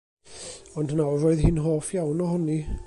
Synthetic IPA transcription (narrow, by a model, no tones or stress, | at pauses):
ɔndnaɔɾoːɨðɦɪnɦoːfjawnɔɦɔni